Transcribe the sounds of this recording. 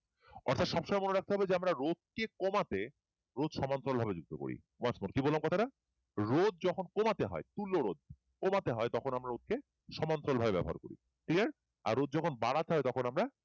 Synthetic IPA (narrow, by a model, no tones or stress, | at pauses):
ɔ̰ɾt̪ʰat̪ʃɔbʃoɔmajmoneɾak̚t̪eɦɔbed͡ʑeamɾaɾod̪̚kekomat̪e | ɾod̪ʃɔmant̪ɾolbʱabed͡ʑuɡ̚d̪oko̰ɾḭ | wasmoɾkibolːamkɔt̪ʰaɾa | ɾod̪̚d͡ʑɔkʰonkomat̪eɦɔ̰et̪ulːoɾod̪̚ | komat̪eɦɔet̪ɔkʰonamɾaɾod̪̚ke | ʃɔmant̪ɾolbʱabebɛ̰bo̰ɦaɾkoɾḭ | kliaɾ | a̰ɾːod̪̚d͡ʑɔkʰonbaɽat̪eɦɔet̪ɔkʰonamɾa